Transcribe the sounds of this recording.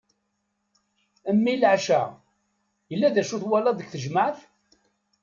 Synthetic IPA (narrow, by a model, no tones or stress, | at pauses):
əmːilʕʃæ | jəlːæðæʃuθwælɑd̪əkθəʒməʕθ